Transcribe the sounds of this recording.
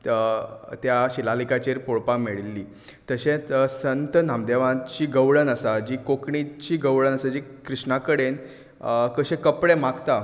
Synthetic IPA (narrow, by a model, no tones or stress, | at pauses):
t̪jaɕilalikat͡ɕeɾpoɭpameɭlːiː | t̪əɕẽsənt̪ənamd̪eʋãt͡ɕiːɡəʋɭənəsad͡ʑiːkokɳit͡ɕiːɡəʋɭənəsad͡ʑikɾiɕɳakəɽen | kəɕẽkəpɽemaɡt̪a